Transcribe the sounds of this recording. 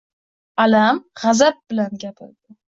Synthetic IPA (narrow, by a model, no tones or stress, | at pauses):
alamʁazap̚bɪlanɡʲapʰɪ̰ɾd̪̥ɪ